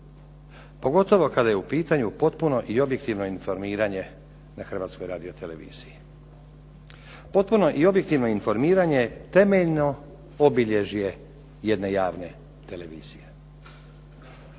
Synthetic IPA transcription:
po̞ɡo̞t̪o̞ʋo̞kad̪ajeupiːt̪aɲupo̞t̪puno̞ʔio̞bje̞k̚t̪iʋno̞info̞ɾmiːɾaɲe̞ | naxr̩ʋaːt̪sko̞jɾaːd̪io̞t̪e̞le̞ʋḭːz̥iji | po̞t̪̚puno̞ʔio̞bje̞k̚t̪iʋno̞info̞ɾmiːɾaɲe̞t̪e̞me̞ʎno̞ | obiʎe̞ʒije̞ | je̞d̪ne̞jaːʋne̞ | t̪e̞le̞ʋḭːz̥ije

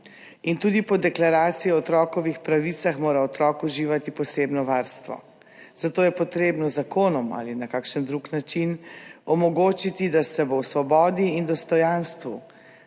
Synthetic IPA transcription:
int̪uːd̪ipɔd̪ɛklaɾaːt̪sijɔɔt̪ɾɔːkɔʋixpɾaʋit̪saxmoːɾaɔt̪ɾɔːkuʒiːʋat̪ipɔseːbnɔʋaɾst̪ʋɔ̰ | z̥at̪oːjɛpɔt̪ɾeːbnɔzakoːnɔma̰linakaːkʃənd̪ɾuknat͡ʃinɔmɔɡoːt͡ʃit̪id̪asɛbowsʋɔbɔːd̪iːnd̪ɔst̪ɔjanst̪ʋṵ

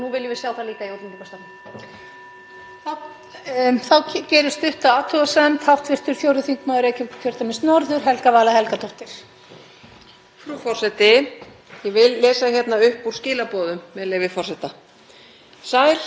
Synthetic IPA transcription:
nuvɪljɛvɪ̥sjawθaliːkaiowt̪ɪmt̪ɪkast̪an | θaw | θawcɛːɾʏst̪ʏht̪aaːt̪ʰuasɛmt̪hawft̪vɪr̥t̪ʏɾ̥fjowɾðʏθiŋkmaːðʏɾejcʏ̥kʰjœr̥t̪amɪnst̪nɔɾðʏɾ̥ɦɛlkavaːlaɦɛlkat̪ʰɔht̪ɪɾ̥ | fɾufɔr̥sɛt̪ɪ | jɛvɪlːɛːsaçjɛt̪naʏhpuɾ̥scɪːlapɔːðʏmːɛðleːjvɪfɔr̥sɛt̪a | saːjɾ̥

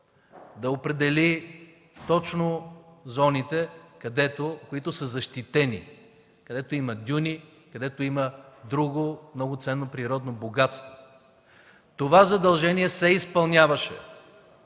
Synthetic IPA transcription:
d̪ɐopɾɛd̪ɛli | t̪ɔt͡ʃnozɔnit̪ɛkɐd̪ɛt̪okoit̪ʊsəzɐʃt̪it̪ɛnḭ | kɐd̪ɛt̪oimɐd̪ʲunikɐd̪ɛt̪oiməd̪ɾuɡomnɔɡʊt̪sɛnːopɾiɾɔd̪noboɡat̪st̪vo̥ | t̪ovazɐd̪ɐlˠʒɛnʲiɛsɛispɐlˠnʲjavɐʃɛ̰

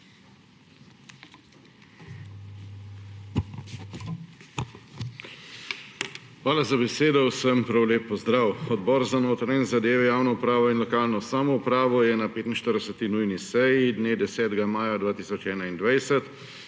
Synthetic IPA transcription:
xʋaːlazabɛseːd̪ɔwsəmpɾawleːpːɔzd̪ɾaːwɔd̪bɔːɾzanoːt̪ɾaɛnzad̪eːʋɛjaːwnɔupɾaːʋɔinlɔkaːlnɔsaːmɔupɾaːʋɔjɛnapeːt̪inʃt̪əɾd̪ɛsət̪inujnisɛjid̪neːd̪ɛsɛːt̪ɛɡamaːjad̪vʋaːt̪iːsɔt͡ʃɛːnaind̪ʋajsɛt̪

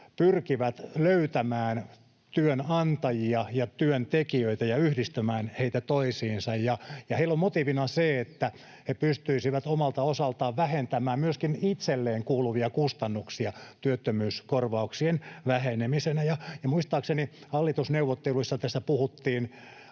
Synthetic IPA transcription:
pyrkiʋæt̪løyt̪æmæːn | t̪yønɑnt̪ɑjiɑjɑt̪yønt̪ekiøit̪æjɑyhdist̪æmæːnheit̪æt̪oisiːnsɑjjɑjɑheilːommot̪iʋinɑseet̪ːæ | hepyst̪yisiʋæt̪omɑlt̪ɑosɑlt̪ɑːʋʋæhent̪æmæːmmyøskinit̪selːeːŋkuːluʋiɑkust̪ɑnːuksiɑt̪yøt̪ːømyːskorʋɑuksienʋæhenemisenæjɑjɑmuist̪ɑːksenihɑlːit̪usneuʋːot̪ːeluisːɑt̪æst̪æpuhut̪ːiːn

